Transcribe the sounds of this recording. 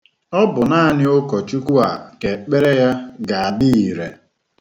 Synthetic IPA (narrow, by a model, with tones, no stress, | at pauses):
ɔ˦bʊ˨na˦nɪ˦o˦kɔ˨t͡ʃu˦ku˦a˨ke˨k͡pe˦ɾe˦ja˦ɡa˨a˨di˦i˨ɾḛ˨